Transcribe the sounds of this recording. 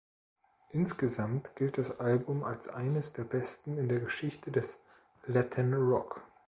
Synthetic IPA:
ʔɪnsɡ̥əzamtɡ̥ɪlt̚d̥asʔalbʊmalsʔa̰ɪnəsd̥eːɐbɛstn̩ɪndeːɐɡəʃɪçtədɛs | lɛtʰɛnʁɔk

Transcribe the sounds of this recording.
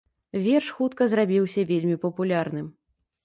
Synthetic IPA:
vʲɛrʂxut̪kɐzrabʲiwsʲɐvʲelʲmʲipɐpulʲarnɨm

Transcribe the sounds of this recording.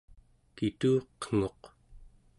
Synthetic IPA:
kit̪uːqəŋ̥o̞q

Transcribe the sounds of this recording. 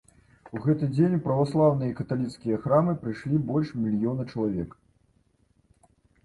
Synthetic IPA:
uɣɛt̪ɨd͡zʲenʲpɾɐvaslˠawnɨjɐikɐt̪alʲit̪skʲijɐxɾamɨpɾɨjʂlʲibɔlʲʂmʲilʲjɔnɐt͡ʂɐlˠavʲɛk

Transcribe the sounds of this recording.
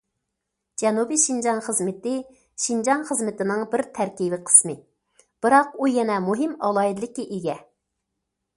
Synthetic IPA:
d͡ʒɛnubiʃind͡ʒɑnχəzmɪt̪ɪ | ʃind͡ʒɑnχəzmɪt̪ɪnɪŋbɪɾt̪ʰæɾkʲivɪqʰə̥smɨ | b̥ɨɾɑqujɛnɛmuɦɪmɑ̰lˠɑid̪lˠɪkʲiʔeɡʲɛ

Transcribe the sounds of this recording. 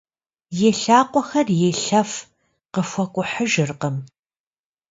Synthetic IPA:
jeːɬaːqʷʼɔxɐrjeɬɐf | qəfʷɔkʷʼʊħəʒɪrqəm

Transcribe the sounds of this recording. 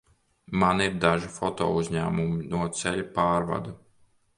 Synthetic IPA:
maniɾd̪aʒifɔt̪ɔ̰ːuzʲɲæ̰ːmuminuɔt̪sɛʎipaːɾva̰d̪a

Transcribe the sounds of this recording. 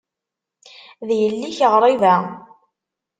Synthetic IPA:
ðjəlːiçəʁɾˤɪvæ

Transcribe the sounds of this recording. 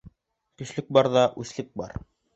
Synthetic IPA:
kɵ̆ʃlɘk̚bɑɾðɑʔʉθlɘk̚bɑ̰ɾ

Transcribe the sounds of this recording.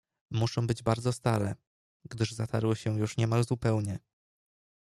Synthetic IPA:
muʂɔ̃w̃bɘd͡ʑbaɾd̪zɔst̪aɾɛ | ɡd̪ɘʐzat̪ʰaɾwɘɕɛjuʂɲɛmalzupɛwɲɛ

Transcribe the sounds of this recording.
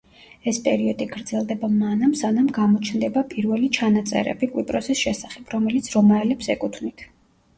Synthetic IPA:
ɛspʼɛɾiɔd̪iɡɾd̪z̥ɛlˠd̪ɛbamanamsanamɡamɔt͡ʃʰnd̪ɛbapʼiɾvɛlit͡ʃʰanat̪sʼɛ̰ɾɛ̰bikʼwipʼɾɔsisʃɛsaχɛpʰɾɔmɛlit̪sʰɾɔmaɛlɛpsɛkʼut̪ʰnit̪ʰ

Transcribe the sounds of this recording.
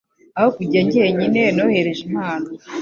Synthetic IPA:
ahokuɟaɲɟeɲine̞nohe̞ɾe̞ʒimaːno

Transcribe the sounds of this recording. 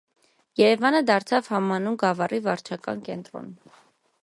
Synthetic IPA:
jɛɾɛvɑnəd̪ɑɾt͡sʰɑvhɑmɑnumɡɑvɑrivɑɾt͡ʃʰɑkɑ̰nkɛnt̪ɾɔ̰n

